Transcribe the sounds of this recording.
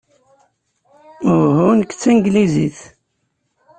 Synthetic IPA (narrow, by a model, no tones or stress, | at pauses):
ʊhunkːt͡sːiŋɡliziθ